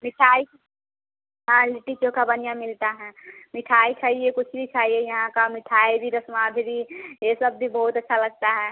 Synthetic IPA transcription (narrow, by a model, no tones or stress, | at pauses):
mɪʈʰaːi | ɦãlɪʈit͡ʃõkabɐnijãmɪlt̪aɦɛ̃mɪʈʰaːit͡ʃʰaːɦiekʊt͡ʃʰbʱit͡ʃʰaːɦiejɐɦãkamɪʈʰaːibʱiɾəsmaːd̪ʱbijesəb̚bʱibɔːʊt̪ɐtːʃʰalɐɡ̚t̪aɦɛː